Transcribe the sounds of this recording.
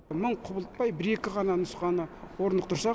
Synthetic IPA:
məɴqʰʊbəlˠt̪̚pɑjbɪɾe̞kʲɪʁɑnɑnʊsqɑnəwo̞ɾənd̪əqt̪ʰʊɾsɑ

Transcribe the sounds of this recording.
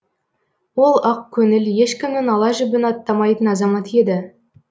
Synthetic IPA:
wo̞lˠɑq̚kʲʰɵnɪlje̞ʃkʲɪmɪnɑlˠɑʒɪbɪnɑt̪ːɑmɑjt̪ənɑzɑmɑt̪e̞d̪ɪ

